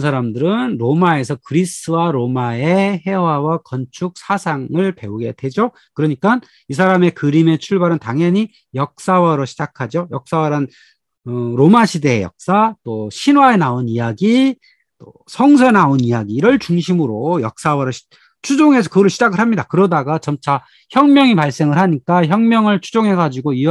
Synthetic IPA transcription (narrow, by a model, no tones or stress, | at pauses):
nsʰaɾamdɯɾɯnɾomae̞sʰʌkɯɾis͈ɯwaɾomae̞he̞wawakʌnt͡ɕʰuk̚s͈ʰasʰaŋɯɭpe̞uɡe̞d̥we̞d͡ʑo | kɯɾʌɲik͈an | is̬ʰaɾame̞kɯɾime̞t͡ɕʰuɭbaɾɯntaŋjʌɲi | jʌk̚s͈awʌɾoɕʰid͡ʑakʰad͡ʑojʌk̚s͈awaɾan | ɯɾomaɕʰide̞jʌ̰k̚s͈at͈oɕʰinwae̞naonijaɡi | t͈o̰ | sʰʌŋsʰʌnaonijaɡiːɾʌɭt͡ɕuŋɕʰimɯɾojʌk̚s͈awʌɾoɕ | t͡ɕʰud͡ʑoŋe̞s̬ʰʌkɯɡʌɾɯɭɕʰid͡ʑaɡɯɭɦamɲidakɯɾʌdaɡat͡ɕʌmt͡ɕʰa | çjʌŋmjʌŋipaɭs͈e̞ŋɯɭɦaɲik͈açjʌŋmjʌŋɯɭt͡ɕʰud͡ʑoŋɦe̞ɡad͡ʑiɡoi